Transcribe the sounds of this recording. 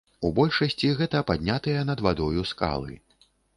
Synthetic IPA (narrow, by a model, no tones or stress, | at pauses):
ubɔlʲʂɐsʲt͡sʲiɣɛt̪ɐpad̪ʲnʲat̪ɨjɐnɐd̪vad̪ɔjuska̰lˠɨ̰